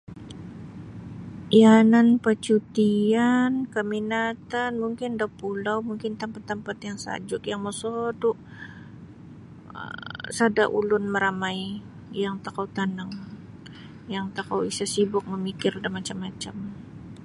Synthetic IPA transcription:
iananpət͡ʃut̪iankəminat̪anmuŋkɪndahpulawmuŋkɪnt̪ampat̪ːampat̪jaŋsa̰d͡ʒʊkjaŋməsodʊʔ | ə̰sada̰ʔṵlʊnməɾamai | jaŋt̪akawt̪anaŋ | jaŋt̪akawisasibʊk̚məmikɪrdamat͡ʃamːat͡ʃam

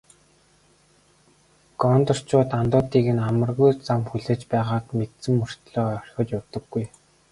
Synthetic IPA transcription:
ɡ̥ɔnt̪ɞ̆r̥t͡ɕʰʊːt̪ant̪ʊːt̪iːɣɘ̆namə̆rɣujt͡samxuɮĕːt͡ɕpæːʁaːkmet̪sɘ̆mːɵr̥t̪ɮɔːœr̥ʲxʲʊ̆ːt͡ɕjʊwt̪ɞ̆ɡːuj

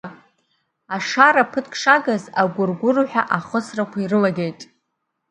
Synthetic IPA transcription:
aʂaɾapʰɨtʰkʼʰʂaɡazaɡʷʊrɡʷʊrħʷᶣaʔaχəsrakʷairɨlaɡʲejtʼ

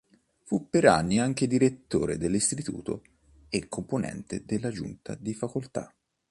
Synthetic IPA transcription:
fupːeɾa̰nːiaŋk̟ed̪iɾet̪ːoːɾed̪elːist̪it̪ṵːt̪o̰ | ekʰːomponɛ̰nt̪ed̪elːad͡ʒṵnt̪a̰d̪ifakolt̪a̰

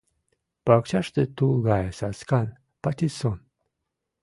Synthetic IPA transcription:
pakt͡ʃaʂt̪et̪uɣajesaskan | pat̪ʲison

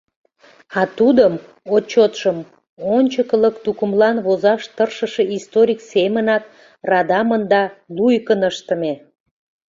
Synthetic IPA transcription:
ɑt̪ud̪əm | ot͡ɕot̪ʃəm | onʲt͡ɕəkləkt̪ukəmlɑnβozɑʃt̪ərʃəʃeʔist̪oɾʲiksemənɑk̚ | rɑd̪ɑmənd̪ɑlujkənəʃt̪əme

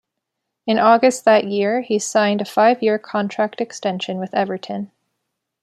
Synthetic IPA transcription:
ɨ̃nɔɡɨst̪̚ðɨʔjɪɹisãɪ̃ndɨfaɪvjɪɹkʰɑ̃ntʰɹ̥æk̚tɨkstɛ̃nʃɨ̃nwɨðɛvə˞ɾʰɨ̃n

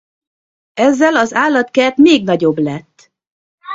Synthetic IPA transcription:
ɛzːɛlɒzaːlːɒt̪kɛt̪meːɡnɒɟo̞blɛt̪ː

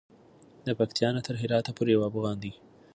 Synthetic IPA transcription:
d̪əpɐkt̪ʰjɑːnat̪ʰəɾɦɪɾɑːt̪apuɾjwɑːbuɣɑːnd̪i

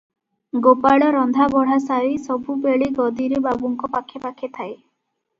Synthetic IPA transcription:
ɡopaɭɔɾɔnd̪ʱabɔɽ̤asaɾisɔbʱubeɭiɡɔd̪iɾebabuŋkɔpakʰːepakʰːet̪ʰae

